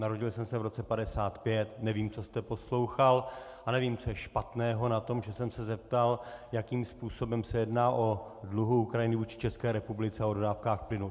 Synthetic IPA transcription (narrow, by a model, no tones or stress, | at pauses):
naɾo̞ɟɪlsɛmsɛvɾo̞t͡sɛpadɛsaːt̪pjɛt̪nɛviːmt͡so̞st̪ɛpo̞slo̞wxal | ʔanɛviːmt͡so̞jɛʃpat̪nɛːɦo̞nat̪o̞mʒɛsɛmsɛzɛp̚t̪aljakiːmspuːso̞bɛmsɛjɛdnaːʔo̞dluɦuukɾajɪnɪvuːt͡ʃɪ̥t͡ʃɛskɛːɾɛpublɪt͡sɛaododaːfkaːxplɪnu